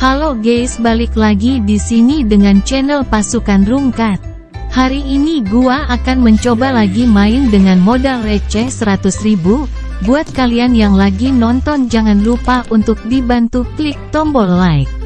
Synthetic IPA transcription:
haloɡejsbalɪklaɡidisinidəŋant͡ʃɛnəlpasukanruŋkat̪̚ | haɾiːniɡuaʔakanməɲt͡ʃobalaɡimaɪndəŋanmodalret͡ʃɛsəɾat̪ʊsribu | buat̪̚kalianjaŋlaɡinɔnt̪ɔnd͡ʒaŋanlupaunt̪ʊk̚dibant̪uklik̚t̪ɔmbɔlːajk̚

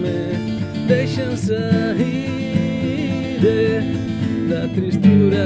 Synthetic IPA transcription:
me | d̪ejʃɐ̃sɐɦi | d̪e | d̪ɐt̪ɾist̪uɾɐ

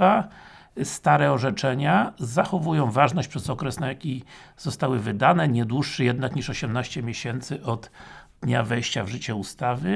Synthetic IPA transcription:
a | st̪aɾɛɔʐɛt͡ʂɛɲazaxɔvujɔ̃w̃vaʐnɔɕt͡ɕpʂɛzɔkɾɛsnajakʲiz̥ɔst̪awɘvɘd̪anɛɲɛd̪wuʂːɘjɛd̪nakɲiʂɔɕɛmnaɕt͡ɕɛmʲjɛɕɛnt̪sɘʔɔd̪d̪ɲavɛjɕt͡ɕavʐɘt͡ɕɛust̪avɘ

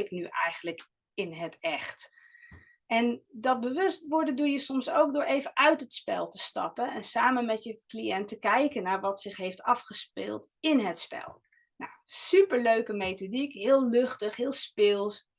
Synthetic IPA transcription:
ɪknyʔɛjχənlək | ɪnɦətɛχt | ʔɛndɑt̚bəʋɵstʋɔɹdədujəsɔmsowɡ̚dʊːɹʔejvənʔœɥtɦətspɛ̰lˠtə̥stɑ̰pənɛnsaːmənmɛtjəkliɛntəkɛjkənaːɹʋɑtsɪχɦejftɑfχəspɪ̰lˠtɪnɦətspɛ̰lˠ | na̰wsypəɹløɥkəmejtodikɦɪːlˠlɵχtəχɦɪːlˠspɪlˠs

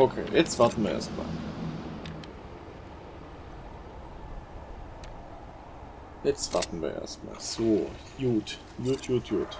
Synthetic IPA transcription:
ʔokʰḛːjʔɛt͡sv̥aɐtn̩viɐʔḛɐstma̰ːl | jɛt͡stv̥atn̩vḭɐ̰ʔḛːɐstma̰ːlz̥oː | juːt | juːtʰjuːtʰjuːt

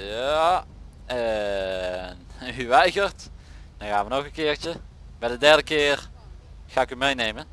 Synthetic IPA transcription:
ja | ə | nhyʋɛjɣərt | d̥ɔnxaːnʋənoxənkɪːrt͡ʃə | bɛdədɛrdəkɪːər | xaːɪkymejnejmə

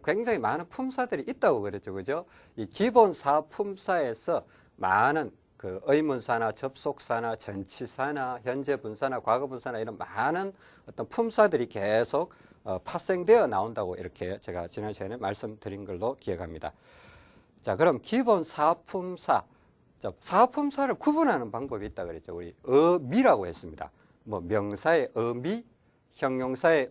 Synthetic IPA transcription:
kwe̞ŋd͡ʑaŋimanɯnpʰumsʰadɯɾiʔit̚t͈aɡokɯɾet͡ɕʰoɡɯd͡ʑo | ikibonsʰapʰumsʰae̞sʰʌ | ma̰nɯn | kɯɯimunsʰanat͡ɕʌp̚s͈ok̚s͈ʰanat͡ɕʌnt͡ɕʰisʰanaçjʌnd͡ʑe̞bunsʰanakwaɡʌbunsʰanaiɾʌnmanɯn | ʌt͈ʌnpʰumsʰadɯɾikesʰok̚ | ʌpʰas͈eŋdwe̞jʌnaondaɡoḭɾʌkʰet͡ɕe̞ɡa̰t͡ɕinanɕʰenemaɭs͈ɯmdɯɾinɡʌɭːokiekʰamɲida̰ | t͡ɕakɯɾʌmkibonsʰapʰumsʰa | t͡ɕasʰapʰumsʰaɾɯɭkubunɦanɯnpaŋbʌbiːt̚t͈akɯɾe̞t͡ɕ͈ouɾiɯmiɾaɡohe̞s͈ɯmɲida̰ | mwʌmjʌŋsʰae̞ʔɯmi | çjʌŋɲoŋsʰae̞

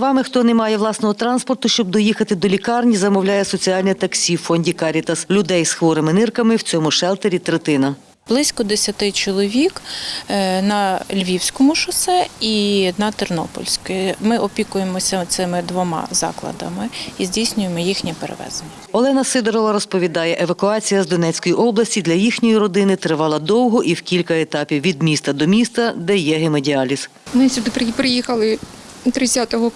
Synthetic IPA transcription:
ʋɑmɪxt̪ɔnemɑjɛʋlˠɑsnɔɦɔt̪ɾɑnspɔrt̪ʊʃt͡ʃɔb̚d̪ɔjixɐt̪ɪd̪ɔlʲikɑrnʲizɐmɔwlʲajɛsɔt͡sʲiɑlʲnʲit̪ɐksʲifɔnʲdʲikɑɾʲit̪ɐslʲʊd̪ɛjsxʋɔɾɪmɪnɪrkɐmɪwt͡sʲɔmʊʃɛlˠt̪eɾʲit̪ɾet̪ɪnɐ | b̥lˠɪsʲkɔd̪esʲɐt̪ɪt͡ʃɔlˠɔʋʲik | nɐlʲʋʲiwsʲkɔmʊʃɐsɛinɐt̪ɛrnɔ̰pɔ̰lʲsʲkɔjɛmɪʔɔpʲikʊjemɔsʲɐt̪sɪmɪd̪ʋɔmɑ̰zɑ̰klˠɐ̰d̪ɐ̰mɪizʲdʲijsʲnʲʊjemɔjixnʲipeɾḛʋɛ̰zenʲːɐɔlˠɛnɐsɪd̪eɾɔʋɐɾɔspɔʋʲid̪ɑjɛʔeʋɐkʊɑt͡sʲijɐzd̪ɔnɛt͡sʲkɔjiʔɔblˠɐsʲid̪lʲɐjixnʲɔjiɾɔd̪ɪnɪt̪ɾɪʋɑlˠɐd̪ɔwɦɔʔiwkʲilʲkɐet̪ɑpʲiwːʲid̪mʲist̪ɐd̪ɔmʲist̪ɐd̪ɛjɛɦemedʲiɑlʲis | mɪsʲud̪ɪppɾɪjixɐlˠɪ | t̪ɾɪt͡sʲːat̪ɔɦɔ

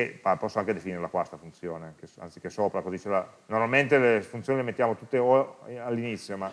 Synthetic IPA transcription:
epapɔsːoaŋked̪efiniːɾelakwast̪afunt̪sjoːnekea̰nt̪si̥kesoːpɾakozit͡ʃelanormalment̪elefunt̪joːnilemet̪ːjaːmot̪ut̪ːeoalːinit̪sːjoma

